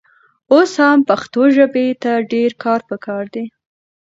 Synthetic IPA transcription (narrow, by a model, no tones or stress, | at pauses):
oshampaxt̪oʒəbet̪aɖeɾkɑɾpəkʰɑɾd̪i